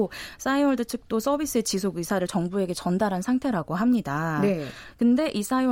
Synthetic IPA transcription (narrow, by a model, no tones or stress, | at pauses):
os͈aiwʌɭdɯt͡ɕʰɯk̚t͈os͈ʌbis͈ɯe̞t͡ɕisʰoɡɥisʰaɾɯɭt͡ɕʌŋbue̞ɡe̞t͡ɕʌndaɾɦansʰaŋtʰe̞ɾaɡoɦamɲidanekɯnde̞ʔis͈aiw